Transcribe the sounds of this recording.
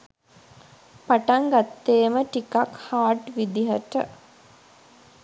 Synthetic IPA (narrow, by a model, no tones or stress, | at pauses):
paʈaŋɡat̪ːeːməʈikakhaːʈʋid̪iɦəʈə̰